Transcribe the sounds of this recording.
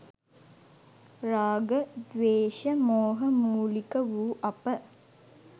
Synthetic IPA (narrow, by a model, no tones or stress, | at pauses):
raːɡəd̪ʋeːʃəmoːɦəmuːlikəʋuːʔapə